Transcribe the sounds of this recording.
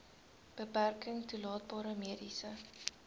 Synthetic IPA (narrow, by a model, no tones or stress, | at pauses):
b̥əpærkəŋtulɑːt̚bɑːɾəmiədisə